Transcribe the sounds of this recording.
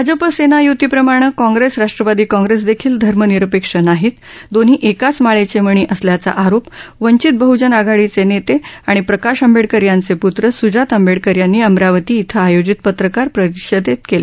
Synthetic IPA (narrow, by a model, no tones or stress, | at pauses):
bbʱad͡zəpəsenajut̪iːpɾəmaɽ̃əkɔ̃ŋɡɾesɾaʂʈɾəʋad̪iːkɔ̃ŋɡɾes̬d̪ekʰiːld̪ʱəɾməniɾəpekʂənaɦiːt̪ | d̪onɦiːʔekat͡smaɭet͡seməɳ̃iːʔəsljat͡sa̰ʔaɾopʋəɲt͡ɕit̪̚bəɦud͡ʑənaɡʱaɭit͡senet̪eaɽ̃ipɾəkaɕəmbeɽkəɾjant͡seput̪ɾəsud͡ʑat̪əmbeɽkəɾjanːiːəmɾaʋət̪iːt̪ʰəajod͡ʑit̪pət̪ɾəkaɾpɾət̪iɕəd̪et̪kele